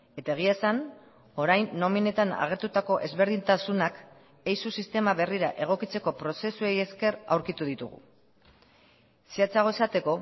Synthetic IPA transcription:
e̞t̪ae̞ɣ̞iasan | o̞ɾajnːo̞mine̞t̪ana̰ɣ̞e̞ɾt̪ut̪ako̞ʔe̞zβe̞ɾðint̪asunak | e̞jsusist̪e̞maβe̞riɾa̰ʔe̞ɣ̞o̞kit͡se̞ko̞pɾo̞se̞sue̞je̞ske̞ra̰wɾkit̪uðit̪ṵɣ̞ṵ | siat͡saɣ̞o̞esat̪e̞ko̞

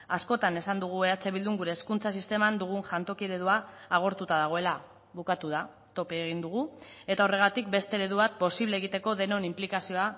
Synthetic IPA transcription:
asko̞t̪ane̞sand̪uɣ̞ue̞at͡se̞βild̪uŋɡuɾe̞ːskunt͡sasist̪e̞mand̪uɣ̞unʝant̪o̞kieɾeðuaːɣ̞o̞ɾt̪ut̪að̞aɣ̞o̞e̞la | βukat̪uð̞a | t̪o̞peːɣind̪uɣue̞t̪ao̞re̞ɣat̪ik̚be̞st̪e̞ɾeðuβat̪̚po̞siβleːɣ̞it̪e̞ko̞ðe̞no̞nimplikasio̞a

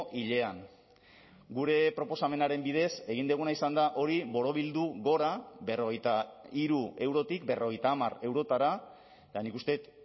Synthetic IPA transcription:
ʔiʎe̞aŋ | ɡuɾe̞pɾo̞po̞same̞naɾe̞mbið̞e̞se̞ɣ̞ind̪eɣ̞unaisand̪aʔo̞ɾiβo̞ɾo̞β̞ild̪uɣo̞ɾaβe̞ro̞ɣejt̪aiɾue̞wɾo̞t̪ikbe̞ro̞ɣe̞jt̪aːmare̞wɾo̞t̪aɾa | t̪anikust̪e̞t̪

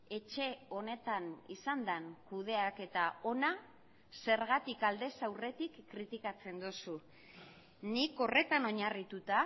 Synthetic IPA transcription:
e̞t͡ʃe̞o̞ne̞t̪anḭsand̪aŋkuð̞e̞ake̞t̪ao̞na | se̞ɾɣat̪ikald̪e̞sawre̞t̪ikːɾit̪ikat͡se̞nd̪osu | niko̞re̞t̪ano̞ɲarit̪ut̪a

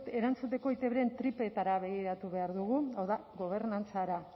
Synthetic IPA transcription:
t̪e̞ɾant͡sut̪e̞ko̞it̪e̞βɾe̞nt̪ɾipe̞t̪aɾaβe̞ɣiɾat̪uβe̞aɾðuɣ̞uawðaɣo̞β̞e̞ɾnant͡saɾa

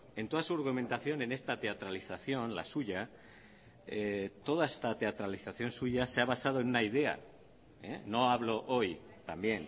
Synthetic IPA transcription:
e̞nt̪oð̞asuaɾɣumẽnt̪aθjo̞ne̞ne̞st̪at̪e̞at̪ɾaliθaθjo̞nla̰suʝa | et̪o̞ð̞aest̪at̪e̞at̪ɾaliθaθjo̞nsuʝaseaβasað̞oe̞nunaið̞e̞a̰ | ḛno̞aβ̞lo̞ʔoj | t̪ambje̞n

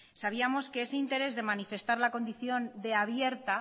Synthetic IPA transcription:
saβ̞iamo̞ske̞ese̞int̪e̞ɾe̞zðe̞manife̞st̪aɾlako̞nd̪iθjo̞nd̪e̞aβje̞ɾt̪a

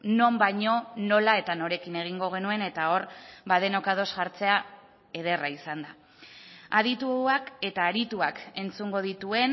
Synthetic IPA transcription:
no̞mbajɲo̞no̞lae̞t̪ano̞ɾe̞kine̞ɣ̞iŋɡo̞ɣ̞e̞nue̞ne̞t̪ao̞ɾbaðe̞no̞kað̞o̞sʝaɾt͡se̞a | e̞ðe̞raisand̪a | aðit̪uake̞t̪aːɾit̪uake̞nt͡suŋɡo̞ð̞it̪ue̞n

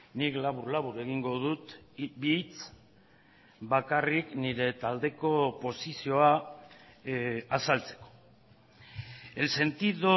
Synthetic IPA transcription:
niklaβuɾlaβuɾue̞ɣ̞iŋɡo̞ð̞ut̪bit͡s | bakarikniɾe̞t̪ald̪e̞ko̞po̞sisio̞a | asalt͡se̞̥ko̞̥ | e̞lse̞nt̪iðo

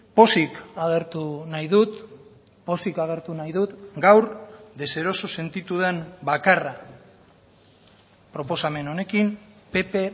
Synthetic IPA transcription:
po̞sikaɣ̞e̞ɾt̪unajðut̪ | po̞sikaɣ̞e̞ɾt̪unajðut̪ɡawɾd̪e̞se̞ɾo̞so̞se̞nt̪it̪uð̞e̞mbakara | pɾo̞po̞same̞no̞ne̞kimpe̞pe̞

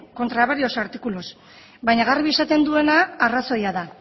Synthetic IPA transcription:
ko̞nt̪ɾaβaɾio̞saɾt̪ikulos | βajɲaɣarβiesat̪e̞nd̪ue̞naːraso̞jaða

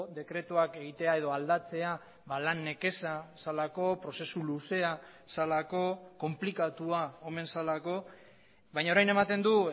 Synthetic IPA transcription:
d̪e̞kɾe̞t̪uake̞ɣit̪e̞ae̞ð̞o̞ald̪at͡se̞a | βalanːe̞ke̞sasalako̞pɾo̞se̞suluse̞a | salako̞ko̞mplikat̪uaome̞nsalako̞ | βajɲaoɾajne̞mat̪e̞nd̪u

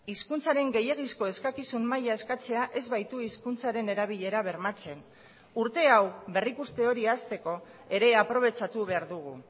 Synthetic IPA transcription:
iskunt͡saɾe̞ŋɡe̞je̞ɣ̞isko̞e̞skakisunmajae̞skat͡se̞aʔe̞zβajt̪uiskunt͡saɾe̞ne̞ɾaβ̞iʎe̞ɾaβ̞e̞ɾmat͡se̞n | uɾt̪e̞awbe̞rikust̪e̞o̞ɾiast̪e̞ko̞ | e̞ɾe̞apɾo̞β̞e̞t͡ʃat̪uβe̞aɾðuɣ̞u

